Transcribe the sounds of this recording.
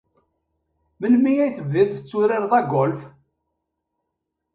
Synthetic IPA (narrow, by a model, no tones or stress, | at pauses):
məlmijæjθəvðiðθət͡sːʊɾɪɾðˤɑɡolf